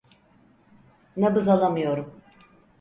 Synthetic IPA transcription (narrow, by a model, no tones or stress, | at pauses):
nɛbɯzalˠamɯjo̞ɾum